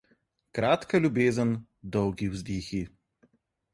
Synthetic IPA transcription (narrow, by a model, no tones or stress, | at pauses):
kɾaːt̪kalʲubeːzən | d̪ɔwɡiwzd̪iːxi